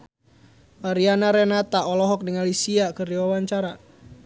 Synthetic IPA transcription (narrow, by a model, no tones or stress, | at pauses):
aɾianaɾɛnat̪aɔlɔɦɔk̚dəŋalisiakərdiwawaɲt͡ʃaɾa